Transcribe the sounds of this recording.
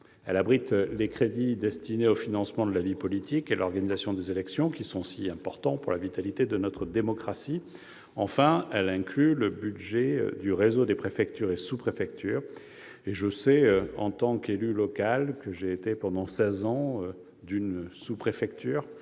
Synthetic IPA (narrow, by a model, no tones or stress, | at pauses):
ɛ̰labʁit̪lekχed̪id̪ɛst̪ineofinɑ̃smɑ̃d̪əlavipɔlit̪ikealʔɔʁɡanizasjɔ̃d̪ezelɛksjɔ̃kʲisɔ̃siɛ̃pɔʁt̪ɑ̃puʁlavit̪alit̪ed̪ənɔt̪χəd̪emɔkχasi | ɑ̃fɛ̃ɛlɛ̃klyləbyd̪ʒɛ̰d̪yʁezod̪epχefɛkt̪yʁesupχefɛk̚t̪ʰyːʁ | eʒəsɛɑ̃t̪ɑ̃kelylɔkalkəʒeːt̪epɑ̃d̪ɑ̃sɛzɑ̃ | d̪ynsupχefɛk̚t̪ʰyːʁ